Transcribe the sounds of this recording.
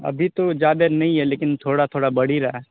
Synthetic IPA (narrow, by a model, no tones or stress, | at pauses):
ɐ̰bʱit̪od͡ʒjaːd̪enɐɦĩɦɛleːkɪnt̪ʰoːɽat̪ʰoːɽabɐɽ̤iɾaɦɛ